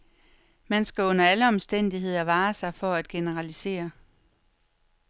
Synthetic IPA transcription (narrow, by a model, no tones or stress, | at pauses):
mænsɡ̥æɔ̽n̰ɐæləɒ̽msd̥en̰d̥iɦe̝ð̞̰ˠɐʋɑ̈ːsɑ̈ɪfɒ̽æd̥̚ɡ̥e̝nəʁɑlise̝̰ːɐ